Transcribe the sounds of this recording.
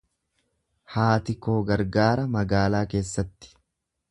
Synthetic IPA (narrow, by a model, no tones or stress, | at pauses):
haːt̪ɪkoːɡɐɾɡaːɾɐmɐɡaːlaːke̞ːsːɐt̪ːɪ̥